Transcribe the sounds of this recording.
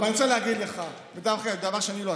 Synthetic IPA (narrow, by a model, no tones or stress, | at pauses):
anit͡saleaɡid̪leχa | ved̪avχad̪avaʁʃeaniloa